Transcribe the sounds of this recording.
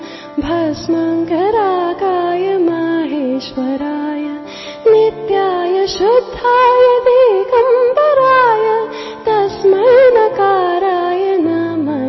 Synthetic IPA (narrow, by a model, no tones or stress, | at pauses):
bʱɐsmɐŋkɐɾaːkaːjɐmɐɦeːʃʋɐɾaːjɐ | nit̪jaːjɐʃud̪ʱːaːjɐd̪eːkɐmd̪ɐɾaːjɐ | t̪ɐsmɐlnɐkaːɾaːjɐnɐmɐ